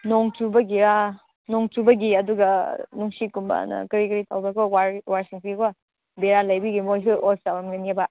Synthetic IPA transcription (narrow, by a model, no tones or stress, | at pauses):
noŋtubɐɡiɾa | nɔŋtubɐɡiɐduɡɐnuŋsikumba̰nɐ̰kɐɾikɐɾitʰawbɐkɔwaɾwaɾsiŋsikɔ | beɾalɐjbiɡimojs̬uʔɔsawamŋɐniaba